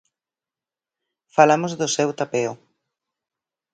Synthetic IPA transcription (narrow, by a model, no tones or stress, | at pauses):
falamozðʊsewt̪apeo